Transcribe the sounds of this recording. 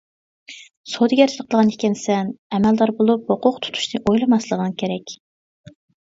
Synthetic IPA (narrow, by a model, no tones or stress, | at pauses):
sod̪ɨɡʲɛɾt̪ʰɪləqʰəlˠəʁɑnikʲɛnsɛnɛmɛld̪ɑɾbolˠup̚hoqʊqt̪ʰu̥t̪ʰu̥ʃnɨʔojlˠɨmɑslˠəʁənkʲʰeɾɛkʲ